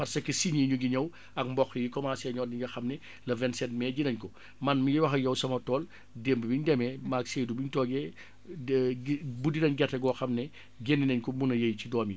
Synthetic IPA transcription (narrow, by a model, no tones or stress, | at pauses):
fɐrsɐkːɐsiɲiːɲuɡiɲɐw | ɐk̚mbɔxrijikɔmaːsɛɲɔːdiɲɡɐxɐmnɛ | lɐvɛnsɛt̚mɛɟinɐɲkɔ | mɐnmiwɐxɐjɐwsɐmɐtɔːl | dembəbiɲdɛmɛmaːkseːdubiɲtɔːɡɛ | budinɐɲɡɛtːɐɡɔːxɐmnɛ | ɡenːinɐɲkɔbunɐjɐjcidɔːmji